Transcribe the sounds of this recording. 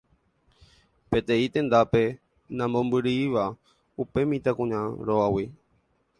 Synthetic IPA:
pe̞t̪ẽĩt̪ẽ̞nd̪ape̞ | nãmbõmbɨɾiiʋa | upe̞mĩt̪akũɲãɾoawi

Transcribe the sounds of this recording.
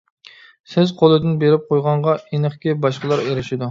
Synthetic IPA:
sɪzqʰolˠɨd̪ɪnbeɾɪp̚qʰojʁɑɴʁɑenɨχkʲɪbɑʃqəlˠɑɾeɾɪʃɪd̪u

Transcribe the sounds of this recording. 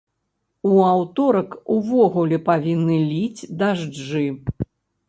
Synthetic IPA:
uawt̪ɔɾɐkuvɔɣulʲɛpavʲinːɨlʲid͡zʲd̪aʐʐɨ

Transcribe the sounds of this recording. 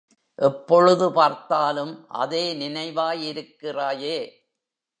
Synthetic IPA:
ʔɛpːɔɻɯðɯpaːɾt̪aːlɯmʔɐ̰ðeːnɪnɐɪʋaːjɪɾɯkːɪraːjeː

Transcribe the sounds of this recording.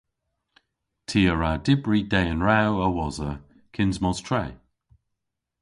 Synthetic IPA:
tʰiːəɹadɪbɹidɛənɹawəwɔzə | kʰɪnzmɔz̥tʰɹɛː

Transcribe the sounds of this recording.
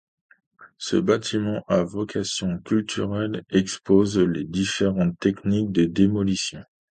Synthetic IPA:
sə̰bat̪ʰimɑ̃ʔavɔkʰasjɔ̃kʲylt̪ʰyʁɛlɛkspozled̪ifeʁɑ̃t̪ːɛknik̚d̪əd̪emɔlisjɔ̃

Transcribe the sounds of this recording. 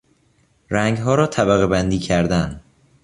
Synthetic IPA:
ɾæŋɡɦɒːɾɒːt̪ʰæβæɣebænd̪iːcʰæɾd̪æn

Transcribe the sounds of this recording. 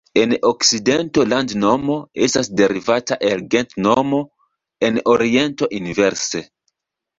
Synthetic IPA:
e̞nokside̞nto̞landno̞mo̞estasde̞ɾivataʔelɡe̞ntnomo̞ | e̞noɾie̞nto̞ʔinive̞ɾse

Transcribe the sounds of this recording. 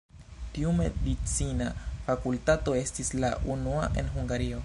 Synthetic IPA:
tiumḛdit͡sinafakultato̞e̞stislaʔunua̰ʔe̞̰nɦuŋɡaɾio

